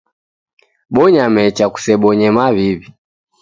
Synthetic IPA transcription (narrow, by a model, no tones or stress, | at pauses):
ɓɔɲamɛt͡ʃaku̥sɛɓɔɲɛmaβiβi